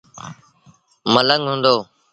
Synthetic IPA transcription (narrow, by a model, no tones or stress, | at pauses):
mələŋɦũːnd̪oː